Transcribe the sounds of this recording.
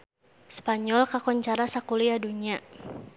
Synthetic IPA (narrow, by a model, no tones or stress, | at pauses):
spaɲɔlkakɔɲt͡ʃaɾasakuliaduɲia